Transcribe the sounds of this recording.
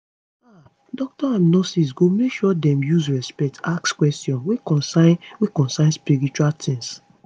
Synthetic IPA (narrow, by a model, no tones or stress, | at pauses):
a | dɔk̚tɔãnnɔsis̬ɡomekʃɔdɛ̃mjuzɹɛspɛk̚tʰakskwɛstjɔ̃nwekɔ̃nsaɪ̃nwekɔ̃nsãɪ̃nspiɹit͡ʃualt̪ʰĩŋs